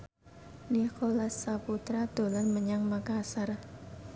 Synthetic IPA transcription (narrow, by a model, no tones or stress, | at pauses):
nikolasːaput̪ɾad̪̥o̤lanməɲaŋmakasar